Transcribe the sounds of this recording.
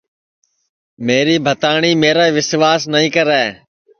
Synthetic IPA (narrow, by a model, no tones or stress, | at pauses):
meːɾiːbʱət̪aːɳiːmeːɾaːʋɪsʋaːsnəĩːkəɾɛː